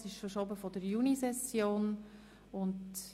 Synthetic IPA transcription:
sɪʃfəɾʃɔbəfɔdəɾjunisɛsjoːn | ʊnd

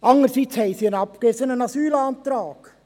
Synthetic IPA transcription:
ʔɑŋəɾsit͡shɛɪsiənɑpkesənənɑsyːlɑːnt̪ɾɑːɡ̥

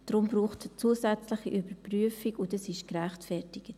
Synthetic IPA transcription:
d̥ɾʊmbɾuːχtt͡suːsɛt͡slɪχiʔybəɾpryəfikʊndəsɪʃkɾæχtfɛɾtɪɡ̥ət

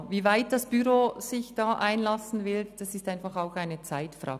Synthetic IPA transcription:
viːvaɪt̚d̥asb̥yɾoːz̥ɪçd̥ɑːʔaɪnlɑsn̩vɪld̥ɑsɪstaɪnfɑχaʊxaɪnət͡saɪtfʁɑ̰ː

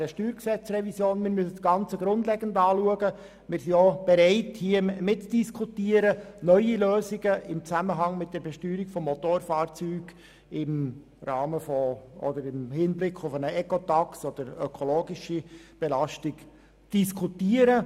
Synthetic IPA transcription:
ɾəʃtyːɾksɛt͡srɛvisjoːnmɪɾmysə̥ɡ̥ɑnt͡səɡɾʊndlɛɡəndɑːluəɡə | mɪɾsiob̥ɛɾɛɪthiəmɪtt͡sd̥iskʰutiəɾənœʏiløːziɡəʔɪmt͡sæməɦɑŋmɪt̚d̥ɛɾbɛʃtyːɾikfɔmːɔtoːɾfɑːɾt͡syːɡ̥ | ɪm | rɑːməfɔɔ̰d̪əɾɪmhɪnblɪkʰːʊfənəɛkɔtɑksɔd̥əɾœkʰoloːɡiʃib̥ɛlɑʃtik | t͡sd̥iskʰutiəɾə

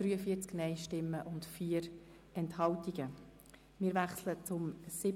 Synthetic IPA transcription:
ɾyːəfiːət͡sknɛɪʃtɪmːəʔʊntfiːəɾ | ɛnthɑltiɡ̥ə | mɪːɾʋæχslət͡sʊmsɪ

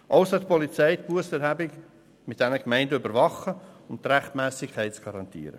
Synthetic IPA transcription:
ʔaʊsət̚pʰɔlit͡sɛɪt̚b̥uəsɛɾhæbɪk | mɪt̪̚d̥ɛnəkmɛɪndəybəɾvɑχəʊnt̪ɾæχtmɛːsɪkʰːɛɪtt͡sɡ̥ɑɾɑnt̪ḭːɾə̰

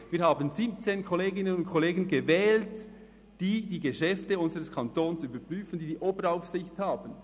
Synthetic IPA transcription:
viːɾhaːbənzip̚t͡seːnkʰoleːɡɪnənʊntkʰoleːɡənɡevɛːlt | d̥iːdiːɡeʃɛftəʊnzəʁəskʰɑntoːnsyːbəpʁyːfən̩diːdiːʔoːbəɾaʊfsɪçthaːbən̩

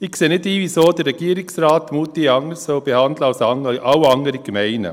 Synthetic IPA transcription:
ɪkseːnɪdiːʋisoːd̥̪ərːɛɡiːəɾɪksɾɑːt̪muːt̪iɑŋəsoːb̥ehɑnd̪ləawsɑŋʔɑwɑŋəɾiɡ̥mɛɪnə̰

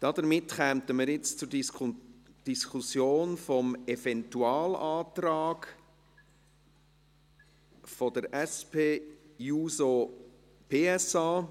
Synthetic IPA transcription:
d̥ɑd̥əmɪtχɛmtəməɾjɪt͡st͡sʊɾ | d̥iskʰusjoːnfɔmɛfɛntuɑːlaːtrɑːɡ | fɔdəɾɛspʰeːjuːso | pʰeːɛsɑː

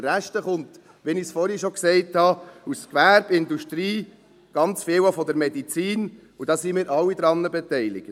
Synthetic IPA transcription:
ɾæʃtəχʊnt̪ | ʋinɪsfɔɾhiʃɔksɛɪthɑuskʋæɾb̥ɪnd̪uʃtɾiː | ɡ̥ɑnt͡sfɪːwafɔd̪əɾmɛdit͡siːn | udɑːsimɪːɾʔɑlːid̪ɾɑnːəbɛt̪ɛɪlɪ̰kt

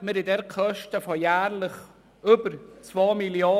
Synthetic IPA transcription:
məɾɪdɛɾkʰœʃtəfɔjæːɾlɪχ | ybəɾt͡svoːmiljoː

